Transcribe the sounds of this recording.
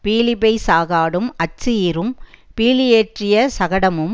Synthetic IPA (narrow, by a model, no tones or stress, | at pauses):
piːlɪbɐɪsaːɣaːɽɯmɐt͡ʃːɪjiɾɯmpiːlɪjeːʈrɪjɐsɐɣɐɽɐmɯm